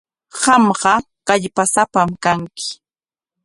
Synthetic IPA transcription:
ɢɑmɢɑ | kaʎpasapamkaŋkɪ̥

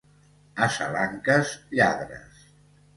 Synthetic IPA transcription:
asalaŋkəzʎa̰ðɾə̰s

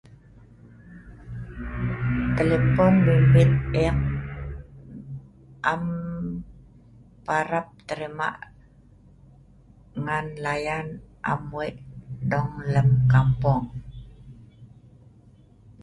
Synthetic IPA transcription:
t̪əlepɔnbəbit̪̚ɛk̚ | ʔam | paɾap̚t̪əɾima̰ʔ | ŋanlajanʔa̰mwiʔdɔŋləmkampɔŋ

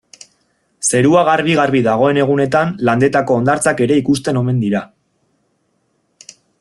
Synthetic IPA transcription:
se̞ɾuaɣ̞arβiɣaɾβiðaɣ̞o̞e̞ne̞ɣ̞une̞t̪anland̪e̞t̪ako̞ːnd̪aɾt͡sake̞ɾe̞ikust̪e̞no̞me̞nd̪iɾa

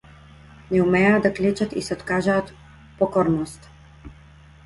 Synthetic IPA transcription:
nɛumɛaːd̪aklɛt͡ʃat̪ḭsɛɔt̪kaʒaːt̪ | pɔkɔɾnɔst̪

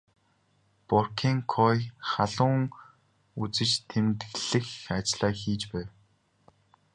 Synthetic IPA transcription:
pɔrkʰiːŋkʰɔjχaɮʊːŋ | ut͡sɘ̆t͡ɕt̪ʰemt̪ɣɮɘ̆xat͡ɕɮ̥aːxiːt͡ɕpæːw

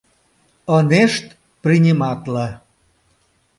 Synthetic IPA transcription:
əneʃt̪ | prinʲimɑt̪lə

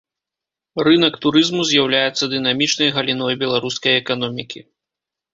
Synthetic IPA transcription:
rɨnɐkt̪uɾɨzmuzʲjawlʲajɛt̪sːɐd̪ɨnamʲit͡ʂnɐjɣɐlʲinɔjbʲɛlˠaɾuskɐjɛkan̪ɔmʲikʲḭ

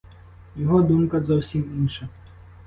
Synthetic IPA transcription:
jɔɦɔd̪umkɐzɔwsʲiminʂɐ

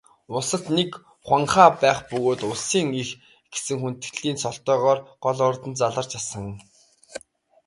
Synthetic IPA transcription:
ʊsə̆t̪nek | χwaɴχaːpæːχpɵɣoːt̪ʊɮsiːŋix | ɡ̥e̥sɘ̆ŋxun̥t̪̆kɮiːnsɔɬt̪œːʁɔːrɢ̥ɔɮɔrt̪ə̆nt͡saɮə̆rt͡ɕasə̆ŋ

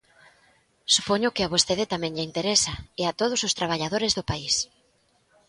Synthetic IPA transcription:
supoɲʊkɪaβ̞ost̪eðɪt̪amɛ̃ŋʎɪint̪eɾesaeat̪oð̞ʊsʊst̪ɾaβ̞aʎað̞oɾɪzðʊpais

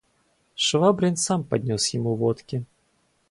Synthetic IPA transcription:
ʂvabɾʲɪnsampɐdʲnʲosjɪmuvɔt̪kʲɪ

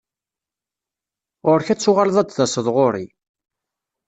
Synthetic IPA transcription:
ʁʊɾçæt͡sːʊʁalðˤæd̪ðæsəðˤʁoɾḭ

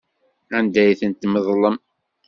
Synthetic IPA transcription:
ænd̪æjθənt̪ːməðˤləm

